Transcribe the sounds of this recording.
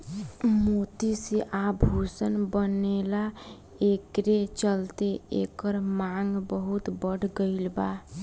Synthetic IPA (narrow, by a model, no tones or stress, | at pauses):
mot̪isiʔabʱusənbənela | ekɾet͡ʃəlt̪eḛkəɾmaŋɡbəɦut̪bəɽ̤ʱɡəɪlba